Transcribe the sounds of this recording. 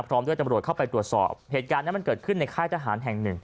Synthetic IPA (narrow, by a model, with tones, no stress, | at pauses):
pʰɾɔː˦˥mdu˥˩jt̪a˧mɾu˨˩ət̚kʰa˥˩wpa˧jt̪ɾu˨˩ət̪̚sɔ̰ː˨˩p̚heː˨˩t̪̚kaː˧nːiː˦˥ma˧nkɤː˨˩t̪̚kʰɯ˥˩nːa˧jkʰaː˥˩jt̪ʰa˧˥ɦaː˩˦nɦɛ˨˩ŋnɯ˨˩ŋ